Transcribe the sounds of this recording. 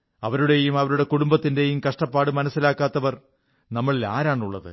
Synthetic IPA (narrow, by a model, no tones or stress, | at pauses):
ɐʋɐɾuɽe̞jumɐʋɐɾuɽe̞kuɽumbɐt̪ːinde̞jumkɐʂʈɐpːaːɽɨmɐnɐsːilaːkːaːt̪ːɐʋɐr | nɐmːɐɭila̰ːɾaːɳuɭːɐ̰ðɨ̰